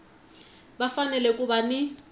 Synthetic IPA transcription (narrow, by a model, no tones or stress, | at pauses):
bafanɛlɛkʼubanɪ